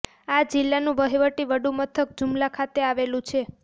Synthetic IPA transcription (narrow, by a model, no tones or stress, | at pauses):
ad͡ʒilːanũʋəɦiʋəʈiʋəɖumət̪ʰək̚d͡ʒumlakʰat̪eaʋelũt͡ʃʰe